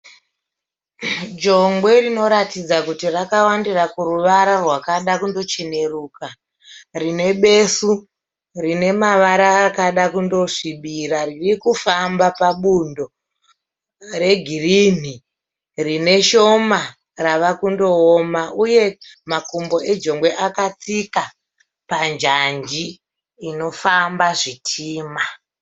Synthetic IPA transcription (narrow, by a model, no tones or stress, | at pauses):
d͡ʒo̞ŋɡwe̞rino̞ɾatid͡zakutirakawandirakuruʋaɾarwakaɗakundo̞t͡ʃene̞ruːka | rine̞ɓe̞su | rine̞maʋaɾaːkaɗakundo̞ʐiɓiɾaririkufambapaɓundo̞ | re̞ɡʱirin̤i | rine̞ʃo̞ma | raʋakundo̞omaʔuje̞makumbo̞e̞d͡ʒo̞ŋɡwe̞ʔakat͡sika | pand͡ʒand͡ʒiː | no̞fambaʐitʰiːma